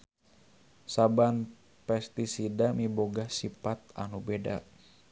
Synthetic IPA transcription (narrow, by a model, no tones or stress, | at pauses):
saban | pɛst̪isidamiboɡahsipat̪̚a̰nubeda̰